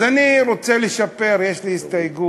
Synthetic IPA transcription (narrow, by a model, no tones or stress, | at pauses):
zaniɾot͡seleʃape̞ɾjeʃliist̪ajɡu